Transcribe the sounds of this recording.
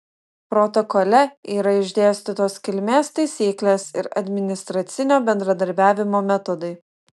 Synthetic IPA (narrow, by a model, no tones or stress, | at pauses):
pɾɔt̪ɔkɔlʲɛiːɾɐɪʒʲd̪ʲeːsʲt̪ʲɪt̪oːskʲɪlʲmʲeːst̪ɐɪsʲiːklʲeːsɪ̰ɾɐ̰d̪ʲmʲɪnʲɪst̪ɾɐt̪sʲɪnʲoːbʲɛnd̪ɾɐd̪ɐɾʲbʲæːʋʲɪmoːmʲɛt̪ɔd̪ɐɪ